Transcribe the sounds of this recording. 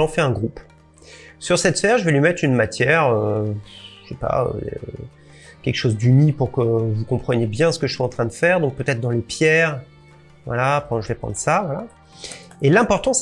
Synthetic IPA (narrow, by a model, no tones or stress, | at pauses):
ɑ̃fɛɛ̃ɡʁup | syʁsɛt̪fɛʁʒəvɛlɥimɛt̪χynmat̪jɛʁø | ʃepa̰ø̰ḛ | kʲɛlkə̥ʃozd̪ynipuʁkəvukɔ̃pχənjebjɛ̃sə̥kəʒəswaɑ̃t̪χɛ̃d̪əfɛːʁd̪ɔ̃k̚pøt̪ɛt̪χd̪ɑ̃lepjɛːʁ | vwa̰lakɑ̃ʒəvɛpχɑ̰̃d̪ʁəsavwala | elɛ̃pɔʁt̪ɑ̃s